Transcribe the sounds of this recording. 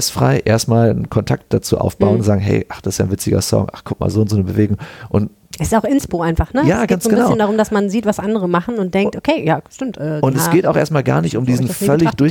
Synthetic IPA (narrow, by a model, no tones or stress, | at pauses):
sfʁ̥a̰ɪʔeːɐstmaːlnkʰɔntʰa̰k̚t̚d̥at͡suːʔa̰ʊfb̥aʊənnzaːɡŋ̩ɦɛ̰ɪʔaχd̥asɪsjaːnvɪt͡sɪɡɐ̰sɔ̰ŋʔa̰χkʰʊk̚ma̰ːlzoːɪntz̥oːnəbəveːɡʊŋʔʊnt | ɛsɪ̥saʊxʔɪnspoːaɪnfaχnəjaːɡansoɡənbnaɪaəndaʁʊmdasmanziːtv̥asʔandəʁəmaχn̩ʊnt̚d̥ɛŋk̚tʔokʰeːjaːʃtɪmtʔɛːʊntɛsɡeːtaʊxʔeːɐstmaːlɡa̰ːɐnɪçtʊmdiːzn̩fœlɪçd̥ʊɐ